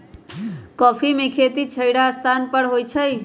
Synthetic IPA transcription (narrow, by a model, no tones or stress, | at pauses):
kɔːpʰimekʰet̪it͡ʃʰəjɽaəst̪ʰanpəɽɦojt͡ʃʰəj